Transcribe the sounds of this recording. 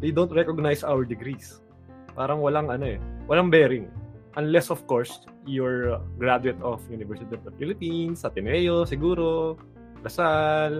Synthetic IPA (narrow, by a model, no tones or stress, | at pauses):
d̪ejd̪ownt̪ɾɛkoɡ̚najsʔawɛɹd̪ɪɡɾis | paːɾɐŋwɐlaŋɐno̞ʔɛwɐlaŋbɛːɾɪŋʔɐnlɛsɔfkoɹs | jʊɹɡɾad̪ʊɛt̪ɔfjunɪvɛɹsɪt̪ivɐfilɪpinsɐt̪ɪnɛjosɪɡuːɾo | ɡɐsal